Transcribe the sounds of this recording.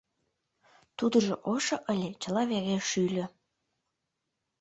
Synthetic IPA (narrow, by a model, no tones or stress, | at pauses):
t̪ud̪ə̆ʒoʔoʃoʔəlʲet͡ɕə̆lɑβæɣeʃylʲø̆